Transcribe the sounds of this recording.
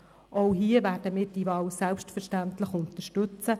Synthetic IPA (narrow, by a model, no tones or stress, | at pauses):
ʔoʊɦiːəvæːɾdəmiːɾd̥ivɑːwsɛlpstfəɾʃtæntlɪxʊnt̪əʃtʉt͡sə